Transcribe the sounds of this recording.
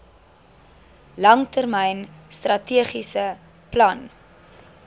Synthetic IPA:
lɐŋtərmɛjnstrɐtiəχisə | plɐn

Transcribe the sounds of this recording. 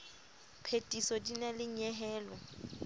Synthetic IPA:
pʰetʼisɔdinalɪɲɛɦɛːlɔ

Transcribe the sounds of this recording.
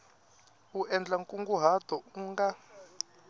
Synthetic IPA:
uʔɛnd͡ɮaŋkʼuŋɡuɦad̪̥ʱɔuŋɡa

